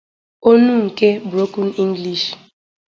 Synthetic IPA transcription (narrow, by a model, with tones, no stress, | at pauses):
o˦nu˦˨ŋ̩˨ke˦bɾo˦ku˦ni˦ŋ˦ɡli˨ʃ